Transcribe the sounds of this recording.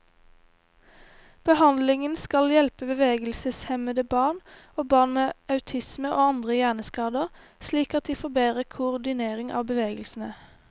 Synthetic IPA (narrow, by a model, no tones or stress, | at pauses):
b̥əhɑnd̪lɪŋənskɑljɛlpəbəʋeːɡəlsəshɛməd̪əbɑːʁn | oːbɑːʁnmeːʔɑʉt̪ʰɪsməʔoːɑnd̪ʁəjæːʁnəskɑːd̪əʁsliːkɑt̪̚d̪iːfoːbeːʁəkʰʊʊʁd̪ɪneːʁɪŋʔɑ̰ːʋbəʋeːɡəlsn̩ə